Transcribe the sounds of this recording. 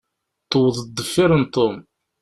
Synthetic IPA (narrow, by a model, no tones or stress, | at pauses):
t̪ːəwəðˤəd̪ːəfːiɾənt̪ːom